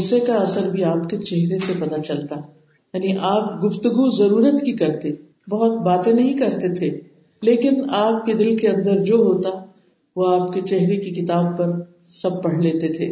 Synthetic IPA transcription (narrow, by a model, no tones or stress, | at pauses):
ʊsekaɐsəɾbʱiaːpket͡ʃɛɦɾesepɐt̪at͡ʃɐlt̪aɦ | jaːniʔaːp̚ɡʊft̪ʊɡuzɐɾuːɾət̪kikɐɾt̪e | bɐɦɔt̪baːt̪ẽnɐɦĩkɐɾt̪et̪ʰe | leːkɪnaːp̚ked̪ɪlkeɐ̃nd̪əɾd͡ʒoːɦoːt̪aɦ | ʋoaːpket͡ʃɛɦɾekikɪt̪aːb̚pːɐɾ | sɐb̚pɐɽ̤leːt̪et̪ʰeː